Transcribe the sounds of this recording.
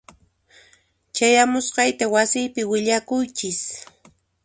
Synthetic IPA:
t͡ʃajamʊsqɑjt̪awasɪjpɪwɪʎakʊjt͡ʃɪs

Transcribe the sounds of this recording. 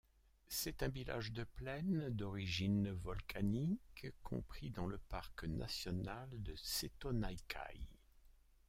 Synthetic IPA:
sɛt̪ɛ̃vila̰ʒd̪əplɛnd̪ɔʁiʒinvɔlkʰanikkʰɔ̰̃pχid̪ɑ̃ləpaʁknʔa̰sjɔnald̪əset̪ɔnajkʰa̰j

